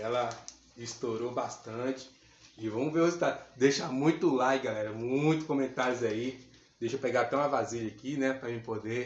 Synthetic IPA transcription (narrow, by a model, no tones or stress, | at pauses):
ɛlɐ | ist̪oɾobast̪ɐ̃t͡ʃɪ̥ | ɪvɐ̃w̃veozit̪ad̪eʃamũj̃t̪ʊlajɡalɛɾɐmũj̃t̪ʊskõmẽnt̪aɾjʊzɐi | d̪ejʃopeɡaɾat̪ɛ̃w̃ɐvaziʎɐkinɛpɾɐmĩpod̪e